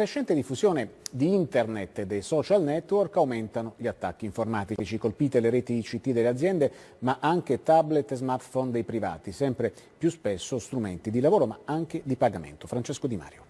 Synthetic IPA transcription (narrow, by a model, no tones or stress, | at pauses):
kɾeʃːɛnt̪ed̪ifːuzjoːned̪iint̪ernet̪ːed̪ejsɔt͡ʃalnɛt̪ːworkawment̪anoʎiat̪ːakːiːɱformaːt̪it͡ʃikolpiːt̪eleɾeːt̪it͡ʃːit̪ːid̪elːead̪zjɛnd̪e | maʔaŋk̟et̪ablet̪ːzmart̪fɔnd̪ejpɾiva̰ːt̪isɛmpɾe | pjuspesːost̪ɾumḛnt̪id̪ilavoːɾomaaŋk̟ed̪ipaɡamḛnt̪ofɾant͡ʃeskod̪ima̰ːɾjo